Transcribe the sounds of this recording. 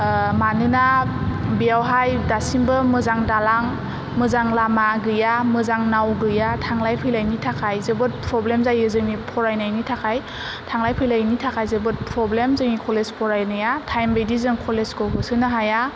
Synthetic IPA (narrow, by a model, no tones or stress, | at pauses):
manɯnabijawɦajdasimbɯmɯzaŋdalaŋ | mɯzaŋlamaɡɯjamɯzaŋnawɡɯjatʰaŋlajpʰɯjlajnitʰakʰajzɯbɯt̚pʰɾɔblemzajɯzɯŋnipʰɔɾajnajnitʰakʰaj | tʰaŋlajpʰɯjlajnitʰakʰajzɯbɯt̚pʰɾɔblemzɯŋnikʰɔlezpʰɔɾajnɯjatʰajmbedizɯŋkʰɔlezkɔkʰɯsɯnɯɦaja